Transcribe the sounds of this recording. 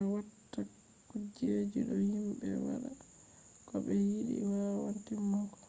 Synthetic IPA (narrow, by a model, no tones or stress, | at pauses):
watːa | kːud͡ʒed͡ʒiɗɔhimɓɛ̰wa̰ɗa | kɔɓɛhiɗḭwawantimɔkɔ̥